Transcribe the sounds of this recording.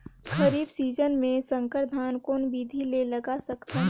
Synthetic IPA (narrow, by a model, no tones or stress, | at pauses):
xɐɾiːbsiːd͡ʒənmẽsɐ̃ŋkəɾd̪ʱaːnkoːnbiːd̪ʱilelɐɡasɐkt̪aɦ